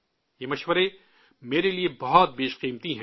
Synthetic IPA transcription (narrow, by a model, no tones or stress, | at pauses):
jeːmɐʃwəɾe | meːɾeliebɐɦɔt̪̚beːʃqiːmt̪iɦɛ̃ː